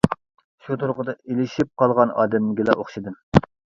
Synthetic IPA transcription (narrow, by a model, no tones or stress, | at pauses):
ʃut̪ʰuɾqʊd̪ɑelɪʃip̚qʰɑlˠʁɑnɑ̰ːd̪ɛmlɪɡʲilɛʔoχʃid̪ɨm